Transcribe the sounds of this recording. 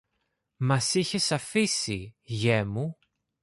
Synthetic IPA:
mɐsiçe̞sɐfisiʝe̞mu

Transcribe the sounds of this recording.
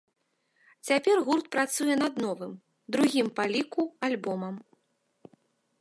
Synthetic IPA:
t͡sʲapʲɛrɣurt̪̚pɾat̪sujɛnɐd̪nɔvɨm | d̪ɾuɣʲimpalʲikualʲbɔmɐm

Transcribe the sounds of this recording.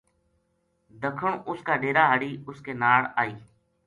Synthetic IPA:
d̪əkʰəɳʔʊskaːɖeːɾaːɦəɽiːʊskeːnaːɽaːiː

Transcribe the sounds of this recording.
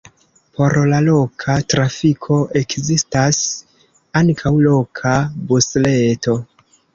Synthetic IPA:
po̞ɾlalo̞kʰatɾafikʰo̞ʔekzistas | aŋkʰawlo̞kʰabusleto̞

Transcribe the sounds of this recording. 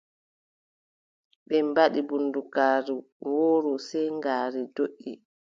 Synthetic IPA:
ɓɛmbaɗibundukaːɾu | wɔːɾusɛjŋɡaːɾidoʔːi

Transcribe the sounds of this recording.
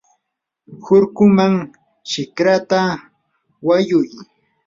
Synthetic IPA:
hʊɾkʊmaŋ | t͡ʃɪkɾat̪a | wajʊj

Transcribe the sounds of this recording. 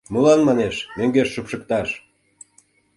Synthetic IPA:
mulɑnmɑneʃmøŋɡerʃupʃə̆k̚t̪ɑʃ

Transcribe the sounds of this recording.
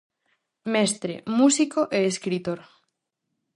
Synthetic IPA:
mest̪ɾḛmusikoʔeːskɾit̪oɾ

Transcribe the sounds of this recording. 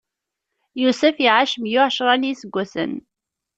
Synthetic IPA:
jusæfiʕaʃəmjʊʕʃɾˤɑnisəɡʷːæsə̰n

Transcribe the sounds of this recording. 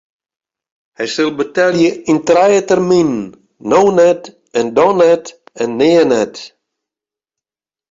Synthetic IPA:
hɛjsɪlˠbətɛljəintrɛjətərminː | ownɛt | ɛndɔnɛtɛnːeːənɛt

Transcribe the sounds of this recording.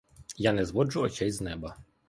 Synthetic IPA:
janɛzʋɔd͡ʒʊɔt͡ʃɛjznɛbɐ

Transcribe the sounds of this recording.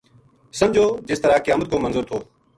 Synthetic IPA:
səmd͡ʒʱoːd͡ʒɪst̪əɾaːkɪjaːmət̪̚koːmənzʊːɾt̪ʰoː

